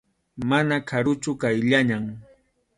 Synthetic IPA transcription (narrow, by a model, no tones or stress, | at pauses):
manakʰaɾʊt͡ʃʊkajʎaɲaŋ